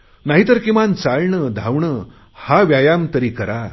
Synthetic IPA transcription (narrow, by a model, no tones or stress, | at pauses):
naɦit̪əɾkimant͡saɭɳəd̪ʱawɳə | haʋjajamt̪əɾiːkəɾa